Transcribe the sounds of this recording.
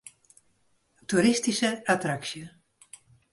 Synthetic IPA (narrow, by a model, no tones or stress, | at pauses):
tuɾɪstisəatraksjə